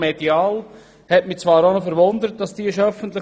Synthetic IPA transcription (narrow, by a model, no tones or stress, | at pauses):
mediɑːl | hɛtmit͡svɑːɾonofɛɾʋond̪əɾət̚d̥ɑsd̥iːɪʃœfəntlɪ